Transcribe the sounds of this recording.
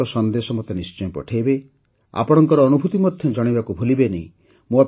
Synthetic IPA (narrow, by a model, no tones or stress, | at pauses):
ɔsɔnd̪esɔmɔt̪enist͡ʃɔjɔ̃pɔ̰ʈʰajbe | a̰pɔɽ̃ɔŋkɔɾɔːnubʱut̪imɔd̪ʱjɔd͡ʒɔɽ̃ibakubʱulibeneĩ | mua